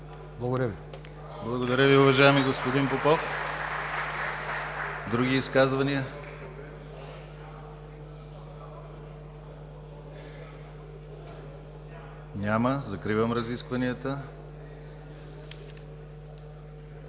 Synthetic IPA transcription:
blˠɐɡoɾəvi | blˠɐɡod̪ɐɾʲəviʊvɐʒaɛmiɡospod̪inpopɔf | d̪ɾuɡʲiːskazvɐniə | nʲaməzɐkɾivəmɾɐziskvɐniət̪ə

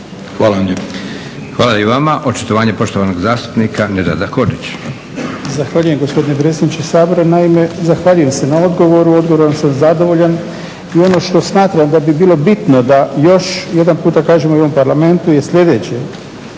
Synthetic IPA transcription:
xʋaːlae | xʋaːlaiʋamaʔot͡ʃi̥t̪oʋaːɲepo̞ʃt̪oʋanoɡzaːst̪u̥pnikaned̪a̰d̪ako̞dit͡ɕ | zaxʋaːʎuje̞mɡo̞spo̞d̪ine̞p̬ɾet̪sʲed̪nit͡ʃesaːbo̞ɾanaime̞zaxʋaːʎuje̞mse̞nao̞d̪ɡo̞ʋo̞ɾuo̞d̪ɡoʋoɾonsamzad̪o̞ʋo̞ʎan | io̞no̞ʃt̪o̞smaːt̪ɾamd̪abibiːlˠo̞bit̪no̞d̪ajo̞ʃje̞d̪anpuːt̪akaːʒemoo̞ʋo̞mpaɾlame̞nt̪uje̞sʎʲe̞d̪e̞t͡ɕe

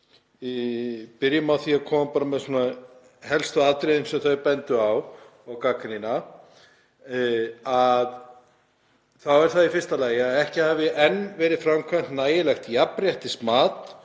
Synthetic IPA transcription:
ipɪɾjʏmawθiakʰɔːmapaːɾamɛðsuːna | hɛlst̪ʏat̪ɾeðɪnsɛmθœɥpɛnt̪ʏaw | awkaːkanina | að | θawɛɾ̥θaðifɪrst̪alaːjɪaðɛhcɪhavɪʔɛnvɛːɾɪðfɾamkʰan̥t̪naːjɪlɛxt̪japɾjɛht̪ɪsmaːt̪

